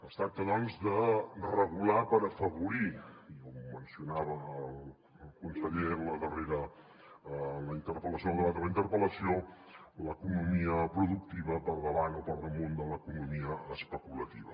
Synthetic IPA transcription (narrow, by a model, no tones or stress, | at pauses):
əst̪ɾak̚t̪əðɔnzðərəɣ̞ulapəɾəfəβuɾiɔmːənsiunaβəːlˠ | lˠkunsəʎeləðəreɾə | ləint̪əɾpələsjolˠd̪ərat̪ələint̪əɾpələsio | ləkunumiəpɾuðuk̚t̪iβəpəlˠðəβanot̪ɔɾnəmond̪ələkunumiəːspəkulət̪iβə